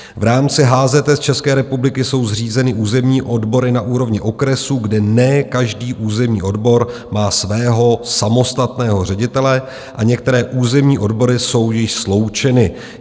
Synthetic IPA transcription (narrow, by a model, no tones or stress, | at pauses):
vɾaːmt͡sɪɦaːzɛt̪ɛst͡ʃɛskɛːɾɛpublɪkɪso̞wzr̝iːzɛnɪʔuːzɛmɲiːʔo̞dbo̞ɾɪnaʔuːɾo̞vɲɪʔo̞kɾɛsuːɡdɛnɛkaʒdiːʔuːzɛmɲiːʔo̞dbo̞ɾ | maːsvɛːɦo̞samo̞st̪at̪nɛːɦo̞r̝ɛɟɪt̪ɛlɛ | ʔaɲɛkt̪ɛɾɛːʔuːzɛmɲiːʔo̞dbo̞ɾɪso̞wjɪʃslo̞wt͡ʃɛnɪ